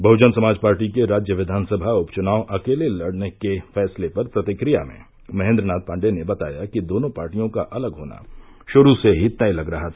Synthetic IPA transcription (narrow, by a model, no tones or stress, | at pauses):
bʱɐʊd͡ʒənsɐmaːd͡ʒpaːɾʈikeɾaːd͡ʒjəʋɪd̪ʱaːnsɐbʱaʊpt͡ʃʊnaːoʔɐkeːlelɐɽnekefɛːslepɐɾpɾɐt̪ɪkɾijamḛ̃ː | mɐɦẽːnd̪ɾənaːt̪̚pãːɳɖenebɐt̪a̰ːjakid̪oːnõpaːɾʈijõkaʔɐləɡɦoːna̰ | ʃʊɾuseɦit̪ailɐɡɾɐɦat̪ʰa